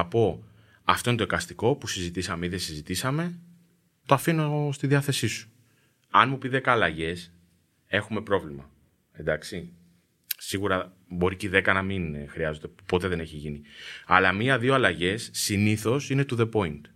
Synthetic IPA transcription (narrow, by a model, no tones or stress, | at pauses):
po̞ | ɐft̪o̞inetoekɐst̪iko̞pusizit̪isɐmeiðe̞sizit̪isɐme̞ | t̪o̞ɐfinost̪iðiɐθe̞sisu̥ | ɐnmupiðe̞kɐːlɐʝe̞s | e̞xume̞pɾo̞vlimɐ | e̞nd̪ɐksi | siɣuɾɐ | bo̞ɾiciðe̞kɐnɐminxɾiɐzo̞t̪e̞po̞t̪e̞ðe̞ne̞çiʝiniɐlɐmiɐðioɐlɐʝe̞sːiniθo̞sine̞t̪uðe̞po̞int̪